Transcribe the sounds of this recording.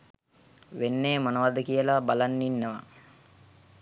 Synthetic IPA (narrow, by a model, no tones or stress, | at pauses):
ʋenːeːmonəʋad̪əkijəlabalanːinːəʋa̰